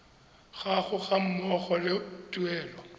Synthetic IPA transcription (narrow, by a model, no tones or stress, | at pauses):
ɣaɣʊɣam̩mɔɣɔlɪtʼuɛːlɔ